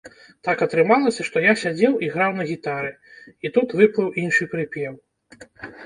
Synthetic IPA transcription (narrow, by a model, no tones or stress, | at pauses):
t̪akɐt̪ɾɨmalˠɐsʲɐʂt̪ɔjasʲad͡zʲɛwʔiɣɾawnɐɣʲit̪aɾɨ | it̪ut̪vɨplˠɨwinʂɨpɾɨpʲjɛw